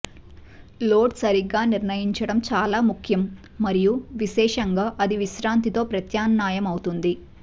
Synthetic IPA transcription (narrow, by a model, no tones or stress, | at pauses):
lo̞ːʈsɐɾiɡːaːniɾnɐjiɲt͡ʃɐɽɐmt͡ʃaːlaːmukʰjɐmː | ɐɾijuʋiʃɛːʂɐŋɡaːʔɐd̪iʋiʃɾaːnt̪it̪o̞ːpɾɐt̪jaːnːaːjɐmɐwut̪und̪i